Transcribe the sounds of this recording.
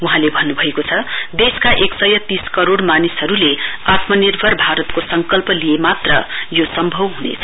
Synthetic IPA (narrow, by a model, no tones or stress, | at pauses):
uɦãlebʱʌnːubʱʌekot͡sʰʌd̪eskaʔeksʌjʌt̪iskʌɾoɽmanisɦʌɾuleat̪mʌnirbʱʌrbʱaɾʌt̪kosʌŋkʌlpʌliemat̪rʌ̰josʌmbʱʌwɦunḛt͡sʰʌ̥